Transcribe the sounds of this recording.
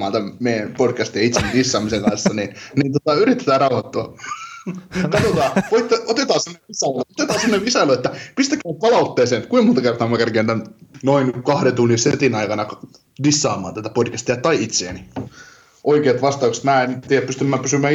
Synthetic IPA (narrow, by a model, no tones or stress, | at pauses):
ɑːnt̪æmmeijænpodkæst̪iɑit̪senidisːɑːmiseŋɡkɑnsːɑninniːnt̪ot̪ɑyɾit̪ːe̥t̪æːrɑuhɑt̪ːoɑ | kɑt̪ot̪ɑːoit̪ːeot̪et̪ɑːsemːoneʋisɑiluot̪et̪ɑːsemoneʋʋisɑiluet̪ːæpist̪ækːæːppɑlɑut̪ːeːseːnkuimunt̪ɑkert̪ɑːmækærkenːænnoinkɑhɾent̪unːiset̪inɑikɑnɑk | disːɑːmˑɑ̰ːnt̪æt̪æpodkæst̪iɑt̪ɑiit̪seːni | ʔoikeːt̪ʋɑst̪ɑukse̥t̪mæːent̪ijæpyst̪ymːæːpysymːæː